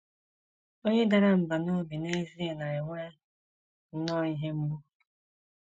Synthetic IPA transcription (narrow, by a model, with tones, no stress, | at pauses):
o˦ɲe˦da˦ɾa˦m̩˨ba˨no˦bi˨ne˦zi˦e˨na˨e˨ŋʷe˦ | n̩˦nɔ˦i˦ɦe˦m̩˦mu˦